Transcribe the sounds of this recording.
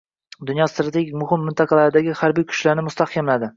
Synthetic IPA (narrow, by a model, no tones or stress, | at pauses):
d̪ʊnjɒst̪ɾat̪ʰeɡʲimʊhɪmːɪnt̪ʰɑqʰɑlaɾɪd̪aɡʲɪhaɾbijkʰʊ̥ʃlaɾnɪmʊst̪ʰahkʲʰamlad̪ɪ